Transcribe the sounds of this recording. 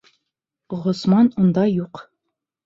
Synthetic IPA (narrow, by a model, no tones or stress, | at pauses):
ʁŏsmɑnund̪ɑjuq